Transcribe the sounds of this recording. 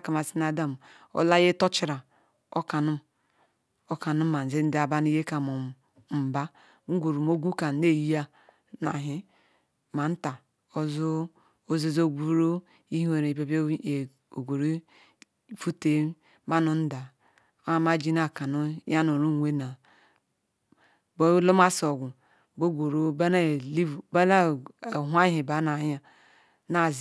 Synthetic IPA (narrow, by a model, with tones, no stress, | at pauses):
ka˨ma˨si˦na˦da˦˨m˨ | o̰˦la˦je˦to˦t͡ʃi˦ɾa˨ | o̰˦ka˨nu˦m | o˦ka˨nu˦m˦ma˨n̩˨zi˦n̩˦da˨ba˦n˦i˦je˦ka˨mo˨ | m̩˨ba˦ | ŋ̩˦ɡʷo˨ɾu˨mo˦ɡʷu˦ka˨˦ne˦˨ji˦ja˦ | na̰˨ɦi˦ | ma˨n̩˦ta˨ | o˦zo˦ | o˦zi˦zo˦˨ɡʷu˦ɾo˦ | i˦he˨ɾe˨be˦b | o˨ɡʷo˨ɾi˦˨ | fu˦te˦ | ma˦nu˨n̩˦da˨˦ | a˦˨ma˦d͡ʒi˦na˨ka˨nu˦ja˦nu˨ɾu˦˨wʷe˦na˨ | bo˦lo˦ma˦so˨ɡʷu˨ | bo˦ɡʷo˨ɾo˦ba˦na˦˨li˦˨ba˦na˦˨ɦʷa˦ɦi˨ba˨˦na˨˦a˨ | na˦˨z